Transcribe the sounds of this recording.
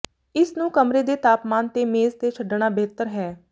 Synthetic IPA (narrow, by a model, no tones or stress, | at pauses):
ɪsnũːkəmɾeːd̪eːt̪aːpmaːnt̪eːmeːzt̪eːt͡ʃʰəɖɳ̃aːbeːt̪əɾɦɛː